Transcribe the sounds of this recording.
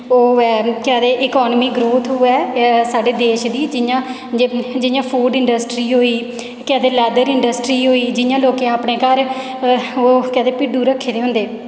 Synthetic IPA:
oːɛːkɛːd̪eːʔɪkɔːnmiːɡɾoːt̪ʰɦʊɛːsaːɖeːd̪eːʃd̪iːd͡ʒɪjãː | d͡ʒɪjãːpʰuːɾɖɪɳɖəsʈɾiːɦoːiː | kɛ̃ːd̪eːlɛːd̪əɾɪɳɖəsʈɾiːɦoːiːd͡ʒɪjãːloːkeːaːpɽeːkəɾ | oːkɛ̃ːd̪eːpɪɖuːɾəkʰːeːd̪eːɦʊ̃nd̪eː

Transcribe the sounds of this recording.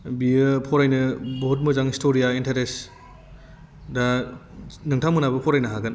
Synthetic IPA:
biɯpʰɔɾajnɐbɔɦɔt̬̚mɯzaŋistʰoɾijaentʰeɾes | da | nɯŋtʰamɯnabɐpʰɔɾajnɐɦaɡɯn

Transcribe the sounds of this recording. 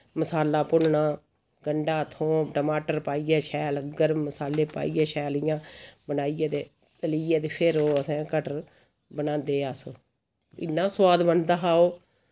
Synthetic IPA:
məsaːlaːpʊnnãː | ɡəɳɖaːt̪ʰõːʈəmaːʈəɾpaːiːɛːʃʰɛːlɡəɾmːəsaːleːpa̰ːiːɛːʃɛːlɪjãːbənaːiːeːd̪eː | t̪əliːjeːd̪eːpʰɪɾoːəsɛ̃ːkəʈ | bənãːnd̪eːaːso | ɪ̰nːãːswaːd̪bənd̪aːɦaːoː

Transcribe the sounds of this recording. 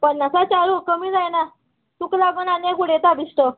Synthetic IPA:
pənːasat͡ɕaɾuːkəmiːd͡zajna | t̪uklaɡunanjakuɽet̪abisʈ̪o

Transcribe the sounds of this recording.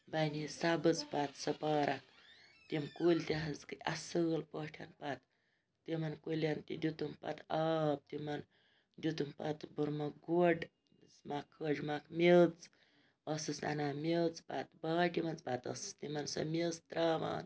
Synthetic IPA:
bɐnisabɨt͡spat̪sɐpaːɾʔɐk̚t̪ʲimkulʲt̪ʲiɦɐzkɨasɨːlpoːʈʰɐ̰npat̪ː | imɐnkulʲɐnt̪ḭd̪ʲut̪umpɐ̰t̪aːp̚t̪imɐn | d̪ʲut̪umpɐ̰t̪buɾmɐɡuɖ | zmakʰːəd͡ʒmakmelt͡s | ɐsɨsna̰namilt͡sba̰t̪baːʈʲimɐnt͡sbat̪ɐ̰sɨ̥st̪imɐnsɐ̰melst̪ɾaːma̰n

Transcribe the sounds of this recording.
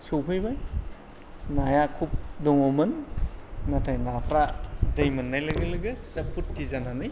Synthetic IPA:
sowpʰɯjbaj | najakʰup̚dɔŋɔmɐn | natʰajnapʰɾadɐjmɐnːajlɐɡɯlɯɡɯsɾapʰutːizananɯj

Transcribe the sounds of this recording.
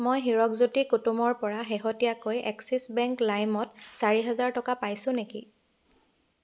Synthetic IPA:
mojɦiɹɔkzutikutumɔɹpɔɹaɦeɦotijakojɛksisbɛŋklajmɔtsaɹiɦɛzaɹtɔkapajsʊ̃nekḭ

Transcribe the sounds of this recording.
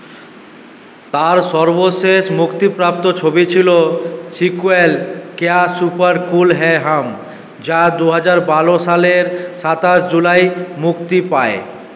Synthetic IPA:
t̪aɾʃɔɾboʃeʃmukt̪ipɾap̚t̪ot͡ɕʰobit͡ɕʰilosikuelkeasupaɾkulɦɛɦam | d͡ʑad̪uɦad͡ʑaɾbaloʃaleɾʃat̪aʃd͡ʑulajmukt̪ipae

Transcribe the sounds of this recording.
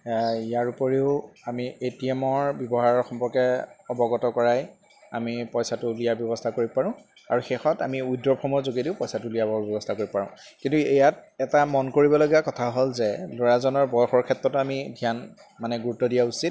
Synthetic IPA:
ijaɹupoɹeʊamietiɛmɔɹbɔbɔɦaɹɔɹxɔmpɔɹkɛɔbɔɡɔtɔkɔɹaj | a̰mipɔjsatʊlijabjɔbɔstʰakoɹiɔpaɹʊ̃ | a̰ɹuxexɔtamiujdɔɹpʰɔmɔɹzoɡediʊpɔjsatʊlijabɔbjɔbɔstʰakoɹibpaɹʊ̃ | kĩntuɛjat̚ɛtamɔnkoɹibɔloɡiakɔtʰaɦolzɛloɹazɔnɔɹbɔjɔxɔɹkʰɛtɹɔtamidʱijan | manɛɡuɹutːɔdijausit̚

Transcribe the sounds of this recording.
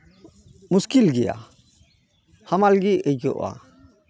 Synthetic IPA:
muskilɡɛja̰ | hamalɡiəjd͡ʒɔ̰ʔa̰

